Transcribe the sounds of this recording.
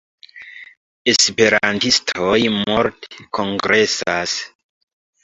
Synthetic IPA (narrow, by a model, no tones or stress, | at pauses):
e̞spe̞ɾantistʰojmoɾteko̞ŋɡɾe̞sas